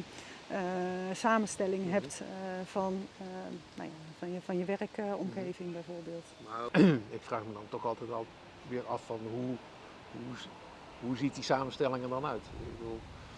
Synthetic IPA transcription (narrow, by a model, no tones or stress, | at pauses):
əsaːmənstɛlɪŋɦɛptfɔn | na̰jafnəfɔnjəʋɛrəkɔmxeːvɪŋbɛjvoːrbeːlˠtnaɪkfraːxmədɑntɔxɑlˠtɛjtɑlˠ | ʋɪːɹɑfːɑnɦu | hu | ɦuzit̚disaːmənstɛlɪŋəndɑnœɥtɪ̰ɡ̚bədulˠ